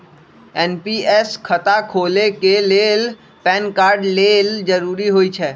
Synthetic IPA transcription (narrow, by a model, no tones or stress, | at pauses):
ɛnpiːɛskʰət̪akʰoːlekeleːl | pɛːnkaːɾɖleːld͡ʒəɾuːɾiɦoːit͡ʃʰɛː